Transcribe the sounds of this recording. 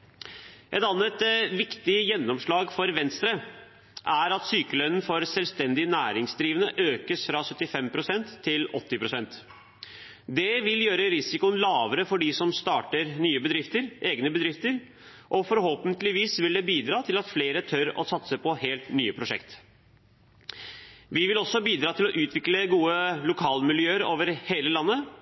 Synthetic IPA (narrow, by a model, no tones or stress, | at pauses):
ʔɛt̪ɑnːət̪ʋɪkt̪ɪjɛnːɔmʂɭɑːɡfɔɾʋɛnst̪ɾə | ʔæɾɑt̪syːkəlœnn̩fɔɾsɛlʋst̪ɛnd̪ɪnæːɾɪŋsd̪ɾiːʋənəʔøːkəsfɾɑsœt̪ːɪfɛmpʰɾʊsɛnt̪ʰːɪlɔt̪ːɪpʰɾʊsɛnt̪ | d̪ɛʋɪljøːɾəɾɪsɪkʊənlɑːʋəɾəfɔɖɪsɔmst̪ɑːʈəɾnyːəbəd̪ɾɪft̪əɾʔeːɡnəbəd̪ɾɪft̪əɾ | ʔɔfɔɾɦoːpənt̪lɪʋiːsʋɪld̪ɛbiːd̪ɾɑːt̪ʰɪlɑt̪fleːɾət̪ʰœɾɔ̰sɑt̪səpʰɔheːlt̪nyːəpʰɾʊʂɛ̰kt̪ | ʋɪʋɪlɔsːɔbiːd̪ɾɑːt̪ʰɪlɔʔʉːt̪ʰʋɪkləɡuːəlʊkʰɑːlmɪljøːəɾoːʋəɾheːləlɑnːə